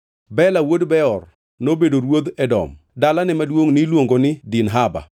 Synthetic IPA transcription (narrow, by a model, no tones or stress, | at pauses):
bɛlawodbɛɔr | nobedoɾwod̪ɛdɔ̰m | dalanɪmadwoŋnilwoŋɡonɪdinɦaba̰